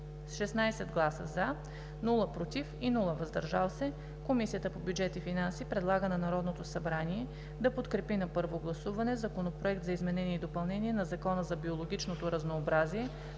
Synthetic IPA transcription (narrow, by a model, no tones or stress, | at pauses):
sʃɛsnajsɛd̪ɡlˠasə̰za | nulˠəpɾot̪ifinulˠəvɐzd̪ɐɾʒalˠsɛ | komisijət̪əpobjud͡ʒɛt̪ifinansipɾɛd̪lˠaɡənɐnɐɾɔd̪not̪osɐbɾaniɛ | d̪ɐpot̪kɾɛpinɐpɤɾvoɡlˠɐsuvɐnɛzɐkonopɾoɛk̚t̪zɐizmɛnɛniɛid̪opɐlˠnɛnʲiɛnɐzɐkɔnəzɐbiolˠoɡʲit͡ʃnot̪oɾɐznoːbɾaziɛ